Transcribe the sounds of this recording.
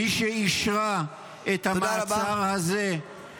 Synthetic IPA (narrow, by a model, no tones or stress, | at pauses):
iʃeiʃʁa | et̪hamat͡saʁhaze